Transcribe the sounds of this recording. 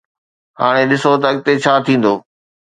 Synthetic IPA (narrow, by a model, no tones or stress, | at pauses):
ɦa̰ːɽ̃eɗɪsot̪ɐɐɠ̚t̪et͡ɕʰaːt̪ʰĩːn̆d̪oː